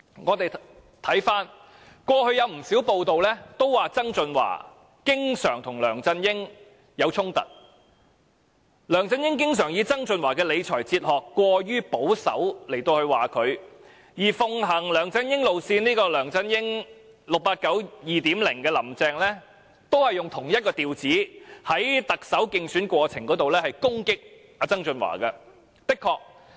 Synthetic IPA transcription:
ŋɔː˨˧t̪e˨j | t̪ʰɐ˨˥jfaː˥n | kʷɔː˧hɵ˧ɥjɐ˨˧wm̩˨˩siː˨˥wpo˨˧wt̪o˨wlɛː˥t̪o˥wwaː˨˩t͡sɐ˥ŋt͡sɵ˧nwa̰ː˨˩ | kɪ˥ŋsœː˨˩ŋt̪ʰʊ˨˩ŋlœː˨˩ŋt͡sɐ˧njɪ˥ŋ | jɐ˨˧wt͡sʰʊ˥ŋt̪ɐ̰˨t̚ | lœː˨˩ŋt͡sɐ˧njɪ˥ŋk̬ɪ˥ŋsœː˨˩ŋjiː˨˧t͡sɐ˥ŋt͡sɵ˧nwaː˨˩kɛː˧le˨˧jt͡ʃʰɔː˨˩jt͡siː˧t̚hɔː˨˩kːʷɔː˧jyː˥po˨˥wsɐ̰˨˥wle˨˩jt̪o˧whɵ˧ɥwaː˨˩kʰɵ˨˧ɥ | jiː˨˩fʊ˧ŋɦɐ˨˩ŋlœː˨˩ŋt͡sɐ˥njɪ˥ŋlo˨˧wsiː˧niː˥kɔː˧lœː˨˩ŋt͡sɐ˥njɪ˥ŋ | lʊ˨k̚paː˧t̚kɐ˨˥wjiː˨t̪iː˨˥mlɪ˨˩ŋkɛː˧lɐ˨˩mt͡sɛː˧ŋlɛː˥ | t̪o˥whɐ˨jːʊ˨ŋt̪ʰʊ˨˩ŋjɐ˥t̚kɔː˧t̪iː˨wt͡siː˨˥hɐ˨˥jt̪ɐ˨k̚sɐ˨˥wkɪ˧ŋsyː˨˥nkʷɔː˧t͡sʰɪ˨˩ŋkɔː˨˥t̪o˨wlɛː˥hɐ˨jkʊ˥ŋkɪ˥k̚ | aː˧t͡sɐ˥ŋt͡sɵ˧nwa̰ː˨˩kɐ˧ | pɪ˥kʰːɔː˧k̚

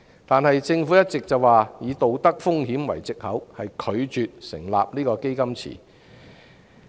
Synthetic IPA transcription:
t̪aː˨nhɐ˨jt͡sɪ˧ŋfuː˨˥jɐ˥t̚t͡sɪ˨k̚t͡sɐ˨waː˨jiː˨˧t̪o˨wt̪ɐ˥k̚fʊ˥ŋɦiː˨˥mwɐ̰˨˩jt͡sɪ˨k̚hɐ˨˥whɐ˨jkʰɵ˨˧ɥt͡ʃyː˨t̚sɪ̰˨˩ŋla̰ː˨p̚niː˥kɔː˧ke˥jkɐ˥mt͡sʰḭː˨˩

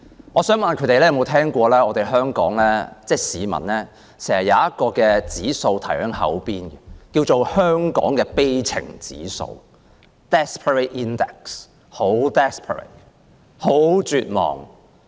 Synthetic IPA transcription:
ŋɔː˨˧sœː˨˥ŋmɐ˨nkʰɵ˨˥t̪e˨jlɛ˥jɐ˨˧mo˨˧wt̪ʰɛː˥ŋkʷɔː˧lɛː˥ɔː˨˧t̪e˨jɦœː˥ŋkɔ̰ː˨˥ŋlɛː˥t͡sɛː˥˩siː˨˧mɐ̰˨˩nlɛː˥ | sɛː˨˩ŋhɐ˨˩jɐ˨˧wjɐ˦˥t̚kɔː˧kɛː˧t͡siː˨˥so˧wt̪ʰɐ˨˩jhœ˨˥ŋɦɐ̰˨˥wpiː˥nɡɛ˨kiː˧wt͡so˨whœː˥ŋkɔ̰ː˨˥ŋkɛː˧pe˥jt͡sʰɪ̰˨˩ŋt͡sḭː˨˥so̰˧w | t̪ɛː˥spʰə˨ɹe˨˩t̚ʔiː˥nd̪ɛ˨˩k̚s | ho˨˥wt̪ɛː˥spʰə̰˨ɹɐ̰˨˩t̚ | ho˨˥wt͡ʃyː˨˧t̚mɔ̰ː˨˩ŋ

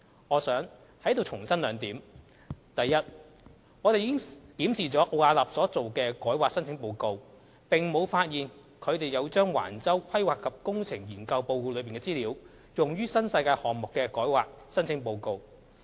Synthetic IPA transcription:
ŋɔː˨˧sœː˨˥ŋ | hɐ˨˥jt̪o˨wt͡sʰʊ˨˩ŋsɐ˥nlœː˨˧ŋt̪iː˨˥m | t̪ɐ˨jːɐ˥t̚ | ŋɔː˨˧ɾe˨jiː˨˥ɪ˥ŋkiː˨˥msiː˨t͡sɔː˨˥ʔo˧aː˧lɐ˨psɔː˨˥t͡so˨wkɛː˧kɔː˨˥jwaː˨k̚sɐ˥nt͡sʰɪ˥ŋpo˧wko˧w | pɪ˨ŋmo˨˧wfaː˧t̚jiː˨n | kʰɵ˨˧ɥt̪e˨jɐ˨˧wt͡ʃœː˥ŋwa̰ː˨˩nt͡sɐ˥wkʰɐ˥jwaː˨kʰːɐ˨p̚kʊ˥ŋt͡sʰɪ˨˩ŋjiː˨˩nkɐ˧wpo˧wkuː˧lɵ˨˧ɥpiː˨nŋkɛː˧t͡siː˥liː˨˧w | jʊ˨˩ŋjyː˥sɐ˥nsɐ˧jkaː˧jhɔː˨˩ŋmʊ˨kːɛː˧kɔː˨˥jwa̰ː˨k̚ | sɐ˥nt͡sʰɪ˨˥ŋpo˧wko˧w

